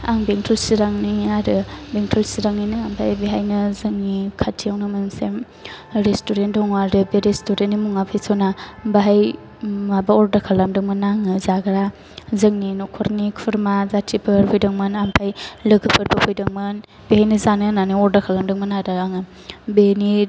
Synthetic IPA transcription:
a̰ŋbeŋtʰulsiɾaŋniaɾɯbeŋtʰulsiɾaŋninɯampʰajbeɦajnɯzɐŋnikʰatʰijawnɯmɯmsem | ɾestoɾendɔŋaɾɯbeɾestoɾenimuŋapʰesʰonabaɦaj | mabaɔɾdakʰalamdɯŋmɐnaŋɯzaɡɾa | zɐŋninɔkʰɔɾnikʰuɾmazatʰipʰɯɾpʰojdɐŋmɯnampʰajlɐɡʰɯpʰɯɾbɐpʰojdɐŋmɯn | behajnɐzanɯnaniɔɾdakʰalamdɯŋmanadaaŋɯ | beni

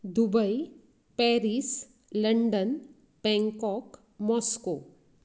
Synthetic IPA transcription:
d̪ubəj | pɛɾis | ləɳɖən | bɛ̃ŋkɔk | mɔːsko

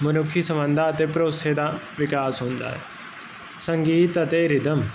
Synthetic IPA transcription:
mɐnʊkʰːisɐmʋə̃nd̪ʱaɐt̪epɾoːsed̪a | ʋɪkaːsɦõːnd̪a̰ːɦɛ̰ | sɐ̃ŋɡiːt̪ɐt̪eɾɪd̪ʱɐm

